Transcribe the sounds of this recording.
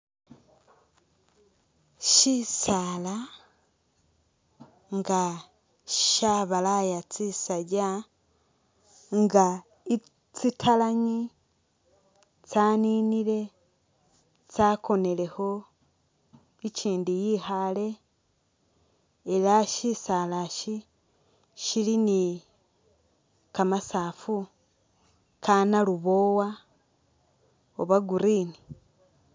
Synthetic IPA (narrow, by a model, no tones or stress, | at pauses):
ʃisaːla | ŋɡa | ʃaβalajat͡sisaɟa | ŋɡa | i | t͡sitʰalaɲi | t͡saːniniɾe̞ | t͡sako̞ne̞le̞ho̞ | it͡ʃiːndijihale̞ | elaʃisalaʃi | ʃilini | kamasaːfu | kanaluβo̞wa | oβaɡuɾini